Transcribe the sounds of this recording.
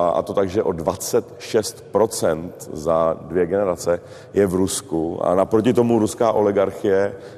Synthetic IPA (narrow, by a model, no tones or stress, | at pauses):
ʔa̰t̪o̞t̪aɡʒɛʔo̞dvat͡sɛt̪ʃɛst̪pɾo̞t͡sɛnt̪zadvjɛɡɛnɛɾat͡sɛ | jɛvɾuskua̰napɾocɪt̪o̞muɾuskaːʔo̞lɪɡaɾxɪjɛ